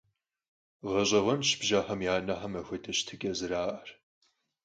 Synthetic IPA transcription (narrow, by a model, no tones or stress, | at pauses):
ʁɐɕʼɐʁɐmʃɪ̥bʒaːħɐmjaːnɐħɐmɐxʷɐdʰɐɕtʰɨkʲʼɐzɨɾaːʔɐr